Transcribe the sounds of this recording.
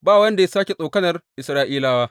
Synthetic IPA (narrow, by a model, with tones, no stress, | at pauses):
baː˦˨wɐ˦nda˨ja˦saː˦kʲe˨sʼoː˨kɐ˦nɐ˨rʔɪ˨sɾaː˦ʔiː˦laː˦waː˦ʔ